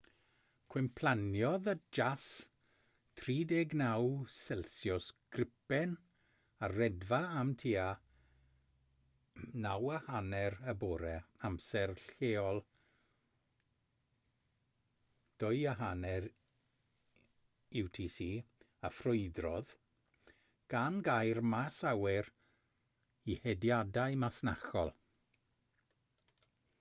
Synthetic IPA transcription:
kʰwɪmpʰl̥ˠanjɔðəd͡ʒas | tʰriːdeɡnawsɛlˠsjɔskrɪpɛn | arɛdvaamtʰiːa | nawəhanɛɾəboːɾɛamsɛrɬeːɔlˠ | d̥ʊɨaɦanɛɾ | ɪwtʰiːsiː | afrʊɨdrɔð | ɡ̥anɡajrmasawɪr | ihɛdjadaɨmasna̰xɔ̰lˠ

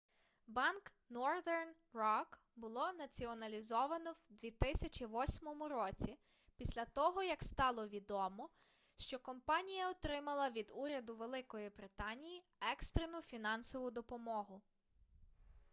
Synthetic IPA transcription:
bɑnk | nɔrd̪ɛrn | rɔk | bʊlˠɔnɐt͡sʲiɔnɐlʲizɔʋɐnɔwd̪ʋʲit̪ɪsʲɐt͡ʃʲiʋɔsʲmɔmʊɾɔt͡sʲi | pʲisʲlʲɐt̪ɔɦɔjɐkst̪ɑlˠɔʋʲid̪ɔmɔ | ʃt͡ʃɔkɔmpɑnʲijɐɔt̪ɾɪmɐlˠɐʋʲid̪uɾʲɐd̪ʊʋe̞lˠɪkɔjibɾɪt̪ɑnʲiji | ɛkst̪ɾenʊfʲinɑnsɔʋʊd̪ɔpɔmɔɦʊ

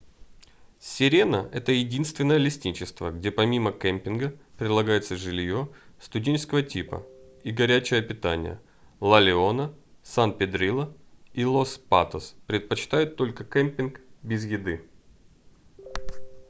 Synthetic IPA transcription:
sʲɪɾʲe̞nəʔɛt̪əjɪdʲinst̪vʲɪnːəjəlʲɪsʲtʲit͡ɕɪst̪vəɡdʲe̞pɐmʲiməkɛmʲpʲɪnɡəpɾʲɪd̪lˠɐɡajɪt̪səʐɨlʲjo̞st̪ʊdʲenʲt͡ɕɪskəvətʲipə̰iɡɐɾʲæt͡ɕɪjəpʲɪt̪anʲɪ̰jə̰ | lˠɐlʲɪo̞nəsanpʲɪd̪ɾʲilˠəilˠo̞spa̰t̪əspɾʲɪt̪̚pət͡ɕɪ̥t̪ajʊt̪ːo̞lʲkəkemʲpʲɪnkbʲɪzjɪd̪ɨ

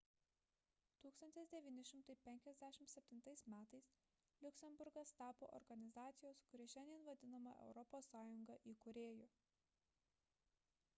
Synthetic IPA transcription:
t̪uːkst̪ɐnʲt̪ʲɪsd̪ʲɛʋʲiːnʲɪʃʲɪmt̪ɐɪpʲɛŋʲkʲɛzʲd̪ʲæʃʲɪmt̪sʲɛpʲt̪ʲɪnt̪ɐɪsmʲæːt̪ɐɪs | lʲʊkʲsʲɛmbʊɾɡɐst̪ɑːpo̰ːʔɔ̰ɾɡɐnʲɪzɑːt̪sʲɪjoːskʊɾʲɪʃʲɛnʲd̪ʲiɛnʋɐd̪ʲɪnɐmɐʔɛ̰ʊɾɔpoːsːɑːjʊŋɡɐʔiːkʊɾʲeːjoː

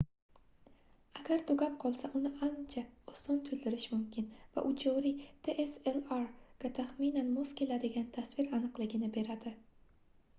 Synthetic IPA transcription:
aɡʲaɾt̪ʰoɡʲap̚qʰɒlˠsaʔʊnɪʔant͡ʃʰaosɒnt̪ʰʊld̪ɪɾɪʃmʊmkʲʰɪnva̰ʔʊt͡ʃʰoɾit̪ʰeʔeselaɾɡ̥ʲat̪ʰaχminanmozkʲʰe̞lad̪ɪɡʲant̪ʰasvɪɾanɨqlˠɪɡʲɪnɪbe̞ɾad̪ɪ

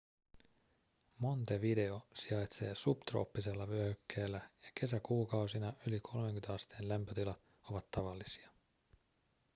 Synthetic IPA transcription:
mo̞nt̪eʋide̞o̞siɑjt̪se̞ːsupt̪ro̞̰ːpːise̞lːɑʋyøhykʰːe̞ːlːæjɑk̟e̞sækuːkɑwsinɑʔylikʰo̞lmeŋkynt̪ɑst̪eːnlæmpøt̪ilɑt̪ | o̞ʋɑt̪ːɑʋɑlːisiɑ

